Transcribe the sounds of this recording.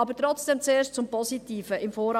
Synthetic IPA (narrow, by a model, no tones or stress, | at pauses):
ɑbətɾɔt͡sd̥ɛmt͡seːʃtt͡sʊmpɔsitiːfəʔɪmfoːɾ